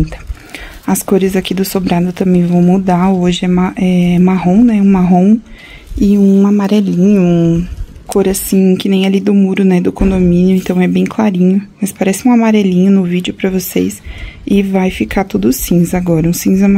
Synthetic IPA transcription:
t̪ɐ̥ | ɐskoɾɪzakid̪ʊsobɾad̪ʊt̪ɐ̃mbẽj̃vɐ̃w̃mud̪aoʒɪɛmaʔɛmaɦõw̃nɛũmaɦõw̃ | ɪũamaɾɛlĩɲʊ̃ũkʰoɾasĩkɪnẽj̃ɛlid̪ʊmuɾʊnɛd̪ʊkõnd̪omĩnjʊẽnt̪ɐ̃w̃ɛbẽj̃klaɾĩɲʊmɐspaɾɛsɪũamaɾɛlĩɲʊnʊvid͡ʒʊpɾɐvosḛsɪvajfikʰat̪ud̪ʊʊsĩzaɡɔɾɐũsĩzɛm

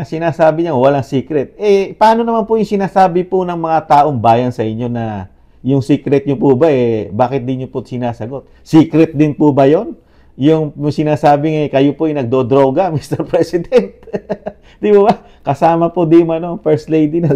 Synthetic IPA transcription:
ɐsɪnaːsaːbɪɲawɐlaŋsiːkɾɛt̪̚ɛpɐaːno̞nɐmanpojʊŋsɪnaːsaːbɪponɐŋmɐŋat̪aːʔo̞ŋbaːjɐnsɐʔɪɲo̞nɐ | jʊŋsiːkɾɛt̪̚ɲopʊbaʔɛbaːkɪt̪̚d̪ɪnɲoposɪnaːsɐɡo̞t̪̚ | siːkɾɛt̪̚d̪ɪnpʊbɐjo̞n | jʊŋsɪnaːsaːbɪŋɐkɐjopoʔɐjnɐɡ̚d̪od̪ɾo̞ːɡɐmist̪ɛɾpɾɛsɪd̪ɛnt̪̚ | d̪̥ibɐbɐ | kɐsaːmɐpod̪ijʊŋɐnoŋfɛɹst̪lejd̪inɐ

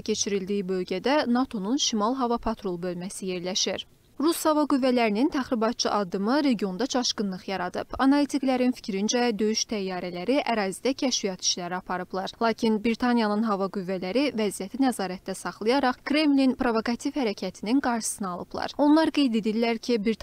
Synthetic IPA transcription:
æcʰe̞t͡ʃʰiɾild̪iːibø̞lˠɟæd̪ænɑt̪ʰo̞nunʃimɑlˠɦɑvɑpʰɑt̪ʰɾo̞lˠbø̞lmæsije̞ɾlæʃiɾ | ɾushɑvɑɡyvːælæɾinint̪ʰæχɾibɑt̪̚t͡ʃʰɯʔɑd̪ːɯmɯɾe̞ɟijo̞nd̪ɑt͡ʃʰɑʃɡɯnlˠɯχjɑɾɑd̪ɯbɑnɑlit̪ʰiklæɾinfi̥cʰɾind͡ʒæd̪ø̞jyʃt̪ʰæjːɑːɾælæɾiʔæɾɑːzid̪æcʰæʃvijɑt̪ʰi̥ʃlæɾiɑpʰɑɾɯblˠɑɾlˠɑːcʰinbɾit̪ʰɑnjɑnɯnɦɑvɑɡyvːælæɾivæzijæt̪ʰinæzɑːɾæt̪d̪æsɑχlˠɯjɑɾɑχkɾe̞mlinpɾo̞vo̞kɑt̪ʰifhæɾæcʰæt̪ʰininɡɑɾʃɯ̥sɯnɑɑlˠɯ̰b̥lˠɑ̰ɾo̞nlˠɑɾɡe̞jd̪e̞d̪ilːæɾcʰibɾ

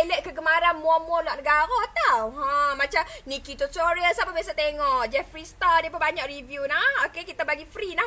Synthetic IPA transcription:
ləʔ̪̚kəɡəmaɾanmuɔmuɔlwaʔ̚nəɡaɾot̪awɦãmãt͡ʃamnikit̪usoɾəsapabias̬at̪eŋɔʔd͡ʒɛffɾist̪adiəp̬unbaɲak̚rivjunahokekit̪abaɡifɾilah

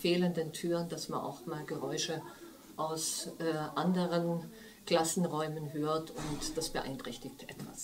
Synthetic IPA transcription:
feːləndəntʰyːʁəndasmanʔa̰ʊxmaːlɡəʁɔʏʃə | ʔaʊsʔɛːʔandəʁən | ɡ̥l̥asn̩ʁɔʏmənɦøːɐtʰʊntd̥asb̥əʔa̰ɪntʁ̥ɛçtɪçtʔɛtv̥a̰s

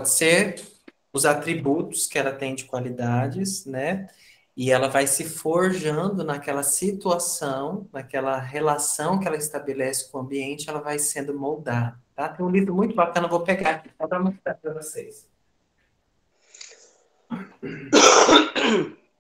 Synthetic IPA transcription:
pɔd͡ʒɪseɾ | ʊzat̪ɾibut̪ʊ̥skɪɛlɐt̪ẽj̃d͡ʒɪkwalid̪ad͡ʒɪsnɛ | ɪɛlɐvajsɪfoɾʒɐ̃nd̪ʊnɐkɛlɐsit̪uasɐ̃w̃nɐkɛlɐɦelasɐ̃w̃kɪɛlɐɪst̪abelɛsɪ̥kõɐ̃biẽnt͡ʃɪɛlɐvajsẽnd̪ʊmowd̪ad̪ɐt̪at̪ẽj̃ũlivbɾʊmũj̃t̪ʊbakɐ̃nɐvowpeɡaki̥adɾãmɐ̃st̪aɾpɾɐvosejs

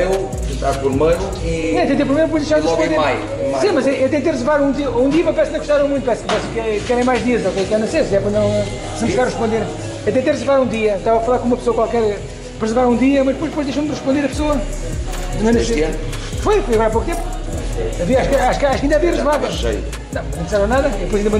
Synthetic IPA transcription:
e | ẽt̪apuɾmɐjɾu | iɛ̃ɐt̪ẽt̪eɾpɾimejɾpojʒd̪ejʃaɾʁʃʃpõd̪eɾaj | sĩmɐzɛeɐt̪̬ẽnt̪eɾʁɨzɨɾvaɾũd̪iɐũd̪iɐmɐ̃pɐɾɛsknɐ̃ɣuʃt̪aɾɐ̃w̃mũt̪upɾɛskpɛskkɛɾẽj̃majʒðiɐzokekɛɾnɐsesɛpɾɐnɐ̃w̃ | sɐ̃mskaɾʁɨʃpõnd̪eɾ | et̪ẽnt̪eɾʁɨzɨɾvaɾũd̪iɐt̪avɐfɐlˠaɾkõumɐpsoɐkwalˠkɛɾ | pɾʁɨzɨɾvaɾũd̪iɐmɐʒd̪ɨpojʒɨpojʒdðejʃɐmd̪ʁɨʃpõnd̪eɾɐpsoɐ | d̪mɐ̃nɐs | fojfojɐɣɔɾapok̚t̪ẽmpu | ɐviɐaʃukaʃu̥kaʃkɐĩd̪aviɐʁɨzɨɾvaðʒɐ̰ | nɐ̃w̃nɐ̃t̪isɛɾɐ̃naðɐðpojzɐĩd̪ɐmɐ̃

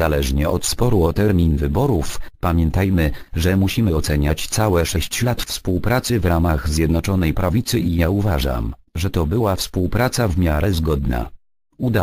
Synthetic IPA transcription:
alɛʐɲɛɔt̪spɔɾuɔt̪ɛɾmʲinvɘbɔɾufpamʲjɛnt̪ajmɘʐɛmuɕimɘɔt̪sɛɲat͡ɕt̪sawɛʂɛɕt͡ɕlat̪fspuwpɾat̪sɘvɾamaɣzʲjɛd̪nɔt͡ʂɔnɛjpɾavʲit̪sɘʔijauvaʐa̰mʐɛt̪ɔbɘwafspuwpɾat̪savmʲjaɾɛzɡɔd̪na̰ | ud̪a

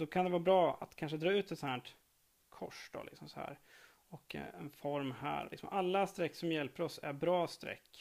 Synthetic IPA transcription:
d̪ɔkʰand̪ɛvɑːbɾɑːa̰t̪kʰanʂ̬əd̪ɾɑːʉ̟ːt̪ɛt̪shæːɳʈ | kʰɔ̰ʂd̪ɔ̰lɪ̰ksɔmsɔhæ̰ːɾ | ɔkɛnfɔɾmɦæ̰ːɾlɪ̰ksɔmɔʔalːast̪ɾɛkːsɔmjɛlpəɾɔsæɾbɾɑːst̪ɾɛ̰kː

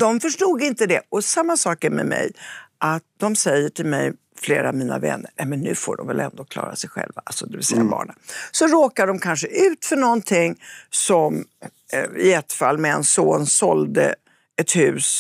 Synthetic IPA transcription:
d̪ɔmfœʂʈuːɡ̪ɪnt̪əd̪ɛɔsamːasɑːkæɾmɛ̰mɛ̰jʔat̪̚d̪ɔmsɛjːəʈʰɪlmɛj | fleːɾavmiːna̰vɛ̰nːəɾnɛmɛnːʉ̟ːfoːɖɔmvɛlʔɛnd̪oːkʰlɑ̰ːɾasɛjɧɛ̰lvaʔalsɔd̪ɛvɪlsɛjːaabɑ̰ːɳasɔɾoːkaɖɔmkʰanʂəʔʉ̟ːt̪fœɳɔnt̪ʰɪŋːsɔm | ɪjɛt̪ːfalːmɛɛnsoːnsɔld̪ə̰ | ɛt̪hʉ̟ːs

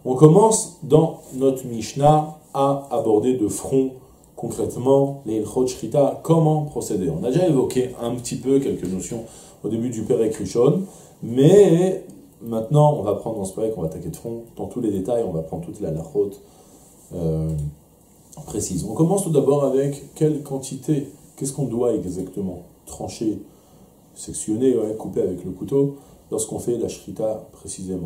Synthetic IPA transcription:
ɔ̃kɔmɑ̃sd̪ɑ̃nɔt̪χmiʃnaaːbɔʁd̪ed̪əfχɔ̃ | kɔ̃kχɛt̪mɑ̃lelχot̪ʃχit̪akɔmɑ̃pχɔsed̪eɔ̃nad̪eʒaevɔkʲeɛ̃pət̪ʰipøkʲɛlkənɔsjɔ̃ | od̪ebyd̪ypeʁɛkχyʃɔn | mɛ | mɛ̃t̪nɑ̃ɔ̃vapχɑ̃d̪ʁd̪ɑ̃səpɔɛkɔ̃vat̪akʲed̪əfχɔ̃d̪̥ɑ̃t̪uled̪et̪ajɔ̃vapχɑ̃d̪ʁt̪ut̪lalaʁot̪ | ø | pχesizɔ̃kɔmɑ̃st̪ud̪abɔʁavɛkːɛlkɑ̃t̪ʰit̪ekʲɛskɔ̃d̪waɛɡzakt̪əmɑ̃t̪χɑ̃ʃe | sɛksjɔneɛ̃kupeavɛkləkut̪olɔʁskɔ̃fɛlaʃχit̪apχesizemɑ̃

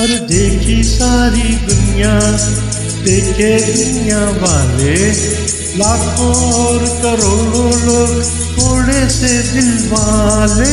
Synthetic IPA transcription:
ɐɾd̪eːkʰisaːɾid̪ʊnɪjã | t̪eːked̪ʊnɪjãːʋaːle | laːkʰõːɔːɾkɐɾoːɽõːloːɡ | t̪ʰoːɽeːsed̪ɪlmãːleː

